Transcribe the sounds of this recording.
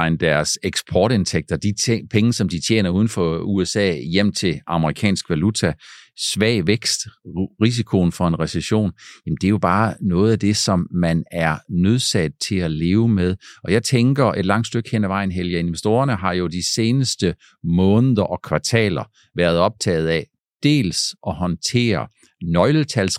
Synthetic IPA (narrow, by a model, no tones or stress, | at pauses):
ɪnd̥æɐseɡ̥sb̥ʰɒːɾe̝nt͡sʰeɡ̥̚d̥ɐd̥ipʰeŋəsɒ̽md̥it͡ɕʰjḛːnɐuːð̞ˠn̩fɒ̽uesɛ̰ːjem̰t͡sʰe̝ɑ̈məʁikʰɛ̰ːnsɡ̥ʋælut͡sʰæsʋɛ̰ːʋeɡ̥sd̥ʁis̬ikʰo̝nfɒ̽e̝nʁɛseɕo̝̰ːnjæm̩d̥e̝jo̝b̥ɑ̈ːnɔ̽ːð̩ˠæd̥e̝sɒ̽mːænæɐnøð̞ˠsæd̥̚t͡sʰe̝æle̝ːʊmeðˠʔɒ̽jɑ̈ɪt͡sʰeŋɡ̥ɐe̝d̥lɑ̈ŋ̰d̥sd̥øɡ̥henæʋɑ̈ɪ̰n̩ɦeljæe̝nʋesd̥o̝ːɐnəɦɑ̈jo̝d̥ise̝ːnəsd̥ə | mɔ̽ːnəð̩ˠɐʔɒ̽kʰʋɑ̈t͡sʰɛ̰ːlɐ | ʋæːɐð̞̩ˠɒ̽b̥̚t͡sʰɛ̰ːð̩ˠæ | d̥e̝̰ːlsʔɒ̽ɦɒ̽nt͡sʰe̝̰ːɐ | nɒ̽ɪlət͡sʰæls